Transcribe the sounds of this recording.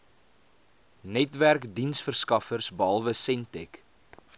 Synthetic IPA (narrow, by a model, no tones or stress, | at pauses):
nɛtværkdinsfərskɐfərsbɑlˠvəsɛntɛk